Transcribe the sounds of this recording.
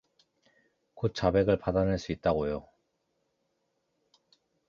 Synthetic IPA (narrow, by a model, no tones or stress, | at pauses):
kot̚t͡ɕ͈abe̞ɡɯɭpadanɯɭs͈uit̚t͈aɡojo